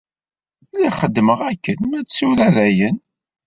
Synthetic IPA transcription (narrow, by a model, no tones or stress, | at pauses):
liχəd̪ːməʁækːənmæsuɾæðæjən